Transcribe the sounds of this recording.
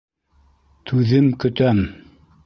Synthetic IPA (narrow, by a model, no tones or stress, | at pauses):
t̪ʰʉðɘmkɵ̆t̪æm